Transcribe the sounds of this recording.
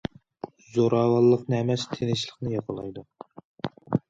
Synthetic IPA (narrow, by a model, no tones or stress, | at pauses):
zoɾɑːwɑlˠːəqnɨɛmɛst̪ʰenɪʃlˠəqnɨjɑqɑlˠɑjd̪u